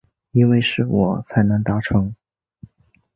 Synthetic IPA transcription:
i˥nwe˥˧ɪʂɻ̩˥˩wɔ̰˨˩˦t͡sʰa˧˥ɪnɤ˧˥ŋt̪a˧˥ʈ͡ʂʰɤ˧˥ŋ

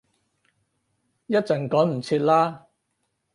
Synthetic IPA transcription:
jɐ˥t̚t͡sɐ˨˩nkɔː˨˥ŋm̩˨˩t͡sʰiː˧t̚laː˥

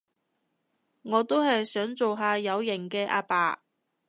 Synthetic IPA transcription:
ŋɔː˨˧t̪o˥whɐ˨jsœː˨˥ŋt͡so˨wɦaː˨˧jɐ˨˧wjɪ˨˩ŋkɛː˧ʔa̰ː˧pa̰ː˨˧

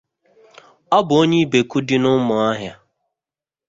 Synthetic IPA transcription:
ɔ˦bʊ˨o˦ɲe˦be˨ku˦di˦nʊ˦mʊ˨a˦ɦja˦

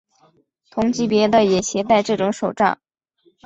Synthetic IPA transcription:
t̪ʰʊ˧˥ŋt͡ɕi˧˥pjɛ˧˥d̪ə˧jɛ˨˩ɕʰjɛ˧˥t̪a˥˧ɪʈ͡ʂɤ˥˩ʈ͡ʂʊ˧˥ŋʂo˨˩ʊʈ͡ʂɑ̰˥˩ŋ

